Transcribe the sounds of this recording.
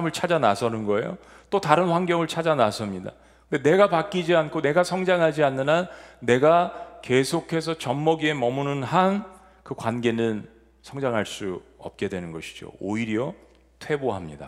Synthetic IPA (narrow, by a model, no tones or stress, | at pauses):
mɯɭt͡ɕʰad͡ʑanasʰʌnɯnɡʌe̞jo̰ | t͈otaɾɯnɸwaŋɡjʌŋɯɭt͡ɕʰad͡ʑanasʰʌmɲida | kɯnde̞ne̞ɡapak͈id͡ʑiankʰone̞ɡasʰʌŋd͡ʑaŋɦad͡ʑianːɯnanːe̞ɡake̞sʰokʰe̞sʰʌt͡ɕʌmːʌɡie̞mʌmunɯnɦan | kɯkwanɡe̞nɯn | sʰʌŋd͡ʑaŋɦaɭs͈uʌp̚k͈e̞dwe̞nɯnɡʌɕʰi̥d͡ʑo̰oiɾjʌ | tʰwe̞boɦamɲida̰